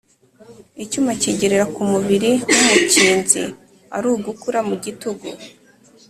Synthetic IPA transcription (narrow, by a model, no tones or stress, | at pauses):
icumaciɟe̞ɾeɾakumuβiɾiwumuciːnzḭ | a̰ɾuːɡukuɾamuɟituɡṵ